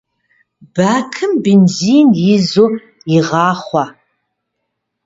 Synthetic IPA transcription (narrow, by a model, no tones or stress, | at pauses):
b̥aːkʰɨmbenziːnjɪzoːr | iʁɑːχʷɔ